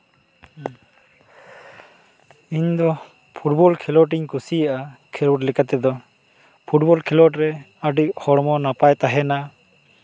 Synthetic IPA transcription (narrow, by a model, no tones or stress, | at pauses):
iɲd̪ɔ | pʰuʈbɔlkʰɛlɔʈ̬iɲkusijaʔakʰɛlɔʈlɛkat̪ɛd̪ɔ | pʰuʈ̚bɔlkʰilɔʈɾɛ | aɖiʔhɔɽmɔnapajt̪aɦɛna